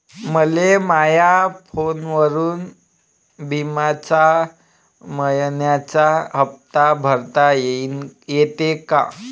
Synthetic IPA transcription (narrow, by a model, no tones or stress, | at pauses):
məlemajafonʋəɾuːn | bimat͡ɕa | məjnjat͡ɕaɦəp̚t̪abʱəɾt̪ajejet̪eka̰